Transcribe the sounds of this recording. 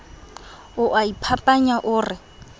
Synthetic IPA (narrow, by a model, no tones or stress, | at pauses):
ʊʔaipʰapʼaɲaʔʊːrɪ